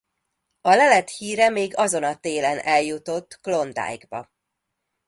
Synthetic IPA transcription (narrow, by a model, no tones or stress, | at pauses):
ɒlɛlɛt̪hiːɾɛmeːɡɒzo̞nɒt̪eːlɛnɛljut̪o̞t̪ːklo̞nd̪a̰ːjɡbɒ̰